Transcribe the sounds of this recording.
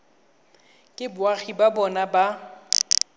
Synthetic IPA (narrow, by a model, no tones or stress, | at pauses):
kʼɪbʊaɣibabɔnaba